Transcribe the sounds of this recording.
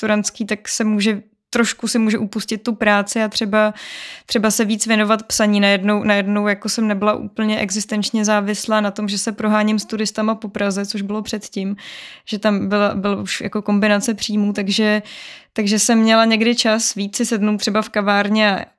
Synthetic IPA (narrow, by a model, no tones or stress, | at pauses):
t̪uɾanskiːt̪aksɛmuːʒɛ | t̪ɾoʃkusɪmuːʒɛʔupuscɪt̪ːupɾaːt͡sɪat̪r̥ɛbat̪r̥ɛbasɛviːt͡svjɛno̞vat̪psaɲiːnajɛdno̞wnajɛdno̞wjakosɛmnɛbɪlaʔṵːpl̩ɲɛʔɛɡzɪst̪ɛnt͡ʃɲɛzaːvɪslaːnat̪o̞mʒɛsɛpɾoɦaːɲɪmst̪uɾɪst̪amapopɾazɛt͡soʒbɪlo̞pr̥ɛt̪cɪmʒ̥ɛt̪ambɪlabɪluʃja̰ko̞ko̞mbɪnat͡sɛpr̥iːmut̪aɡʒɛt̪aɡʒɛsɛmːɲɛlaɲɛɡdɪt͡ʃasvit͡sɪsɛdnowt̪ːr̝̥ɛbafkavaːɾɲɛa